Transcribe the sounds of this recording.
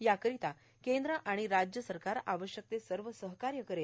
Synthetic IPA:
jakəɾit̪a | kend̪ɾəʔaɽ̃iɾad͡ʑjəsəɾkaɾaʋəɕjək̚t̪esəɾʋəsəɦkaɾjəkəɾe

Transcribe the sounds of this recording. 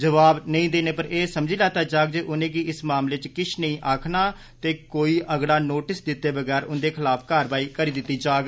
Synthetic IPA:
d͡ʒəʋaːbnəĩːd̪eːneːpəɾeːsəmd͡ʒiːlaːt̪aːd͡ʒaːɡ̚d͡ʒeːʔʊnẽːkɪɪsmaːmleːt͡ʃkɪt͡ʃʰnəĩːʔaːkʰnaː | t̪eːkoːiːʔəɡɽaːnoːʈɪsd̪ɪt̪ːeːbəɡɛːɾʊnd̪eːkʰɪlaːpʰkaːɾʋaːiːkəɾiːd̪ɪt̪ːiːd͡ʒaːɡ

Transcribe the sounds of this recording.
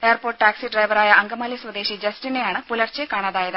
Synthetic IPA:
e̞ːrpoːʈaːksiɖrɐjʋɐɾaːjɐɐŋɡɐmaːlisʋɐd̪e̞ːɕid͡ʑɐstinejaːɳɨpulɐrt͡ɕːekaːɳaðaːjɐðɨ

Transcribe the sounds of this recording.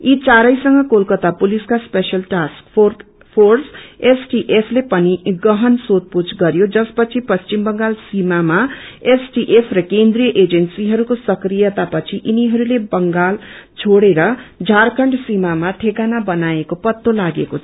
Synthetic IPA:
it͡saɾʌjsʌŋɡʌkolkʌt̪apuliskaspesjʌlʈaskpo | pʰorsesʈiʔepʰlepʌniɡʌɦʌnsot̪̚put͡sɡʌɾjod͡zʌspʌt͡sʰipʌst͡ʃimbʌŋɡalsimamaesʈiʔepʰrʌkend̪rijʌʔed͡zensiɦʌɾukosʌkrijat̪apʌt͡sʰiʔiniɦʌɾulebʌŋɡalt͡sʰoɽeɾʌd͡zʱarkʌɳɖsimamaʈʰekanabʌnaekopʌt̪ːolaɡekot͡sʰʌʌ

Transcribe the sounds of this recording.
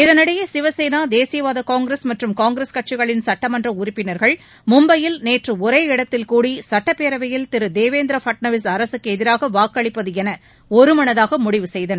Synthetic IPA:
ɪðɐnɪɽɐjɐsɪʋɐseːnaːd̪eːsɪjɐʋaːðɐkaːŋɡɾesmɐʈrɯmkaːŋɡɪɾeskɐʈ̚t͡ʃɪɣɐɭɪnsɐʈːɐmɐndrɐʊɾɪpːɪnɐɾɣɐɭ | mʊmbɐjɪlneːʈrɯɔɾeːɪɽɐt̪ːɪlkuːɽisɐʈːɐpːeːɾɐʋɐjɪlt̪ɪɾɯd̪eːʋeːnd̪ɾɐfɐʈnɐʋɪsɐɾɐsɯkːɯɛðɪɾaːɣɐʋaːkːɐɭɪpːɐðɯjɛnɐ | ɔɾɯmɐnɐðaːɣɐmʊɽɪʋɯsɛjðɐnɐ

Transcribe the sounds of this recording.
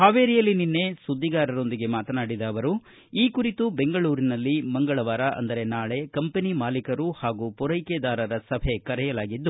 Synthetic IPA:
haːʋeːɾijɐlːininːe̞sud̪ʱːiɡaːɾɐɾo̞nd̪iɡe̞maːt̪ɐnaːɽid̪ɐːʋɐɾu | iːkuɾit̪ube̞ŋɡɐɭuːɾinɐlːimɐŋɡɐɭɐʋaːɾɐʔɐ̰nd̪ɐɾe̞naːɭe̞kɐmpenimaːlikɐɾuhaːɡuːpɔɾɐjked̪aːɾɐɾɐsɐbʱe̞kɐɾɛjɐlaːɡid̪ːu

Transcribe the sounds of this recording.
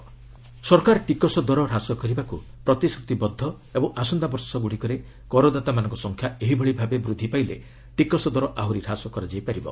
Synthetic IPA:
sɔɾkaɾʈikɔsɔd̪ɔɾɔɾ̤ɦasɔkɔɾibakupɾɔt̪isɾut̪ibɔd̪ʱːɔ | ebɔŋʔasɔnd̪abɔɾsɔɡuɽikɔɾe | kɔɾɔd̪at̪amanɔ̃ŋkɔsɔŋkʰjaeɦibʱɔɭibʱabebɾud̪ʱːipajlḛ | ʈikɔsɔd̪ɔɾɔʔaɦuɾiɾasɔkɔɾad͡ʒajpaɾibɔ̰

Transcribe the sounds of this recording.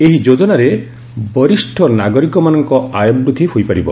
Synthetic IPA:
eɦid͡ʒod͡ʒɔnaɾe | bɔɾisʈʰɔnaɡɔɾikɔmanɔŋkɔajɔbɾut̪ʰihojpaɾibɔ̰

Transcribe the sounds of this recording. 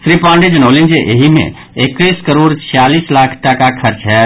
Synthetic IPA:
sɾipãːɳɖid͡ʒənəʋlind͡ʒeʔeɦimḛ̃ | ekɾiːskəɾoɾt͡ʃʰijalislaːkʰʈakakʰəɾt͡ʃɦɛ

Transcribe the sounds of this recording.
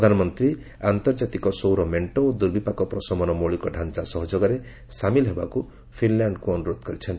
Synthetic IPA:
d̪ʱanɔmɔnt̪ɾi | ant̪ɔɾd͡ʒat̪ikɔsowɾɔmeɳʈɔːd̪uɾbipakɔpɾɔsɔmɔnɔmoɭikɔɖʱant͡ʃasɔɦɔd͡ʒoɡɔɾe | samilɔɦebaku | pʰinlaɳɖkuɔnuɾod̪ʱkɔɾit͡ʃʰɔnt̪

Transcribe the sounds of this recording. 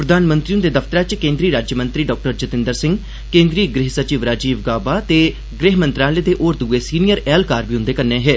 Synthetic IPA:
pɾəd̪aːnmə̃nt̪ɾiũd̪eːd̪əft̪əɾãːt͡ʃkẽːnd̪ɾiːɾaːd͡ʒjəmə̃nt̪ɾiːɖɔːk̚ʈəɾt͡ʃət̪ɪ̃nd̪əɾsɪ̃ŋɡ | kẽːnd̪ɾiːɡɾɪɦsət͡ʃiːʋɾaːd͡ʒiːʋɡaːbaːt̪eː | ɡɾeːɦmə̃nt̪ɾãːled̪eːʔoːɾd̪uːeːsiːnijəɾɛːlkaːɾbiːɦʊ̃nd̪eːkəɾneːɦɛː

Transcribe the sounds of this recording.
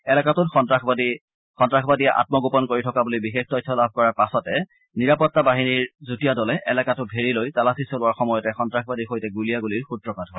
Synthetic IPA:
ɛlakatʊtxɔntɹaxbadi | xɔntɹaxbadiɛʔa̰t̚mɔɡupɔnkoɹitʰɔkabulibixextɔjtʰːɔlab̚ʱkɔɹaɹpasɔtɛ | niɹapɔtːabaɦiniɹzutijadɔlɛʔɛlakatʊt̚bʱeɹilojtalasisɔlʊwaɹxɔmɔjɔtɛxɔntɹaxbadixojtɛɡulijaɡuliɹxutɹɔkadʱɦɔɛ

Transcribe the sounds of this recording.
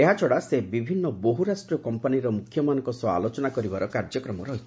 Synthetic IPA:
eɦat͡ʃʰɔɽasebibʱinːɔboɦuɾasʈɾiɔkɔmpaniɾɔmukʰjɔmanɔ̃ŋkɔsɔa̰lot͡ʃɔnakɔɾibaɾɔkaɾd͡ʒɔkɾɔmɔɾɔɦi

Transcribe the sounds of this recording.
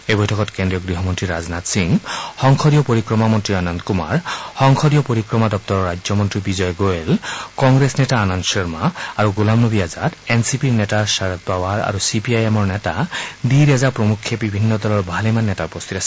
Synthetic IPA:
ebɔjtʰɔkɔtkendiɔɡɹiɦɔmɔntɹiɹaznatsiŋxɔŋxʰɔdijɔpoɹikɹɔmamɔntɹianandkuma̰ɹxɔŋxʰɔdijɔpoɹikɹɔmadɔk̚tɔɹɔɹːajzɔmɔntɹibizɔjɡoelkɔŋɡɹesnɛtaːnandsiɹmaːɹuɡulamnobʱiazatensipiɹnɛtasaɹat̪̚bawaɹa̰ɹusipiajemɔɹnɛtadiɾɛzapɹɔmukʰːebibʱinːɔdɔlɔɹbʱalemanːɛtaupost̪ʰitasɛ̥

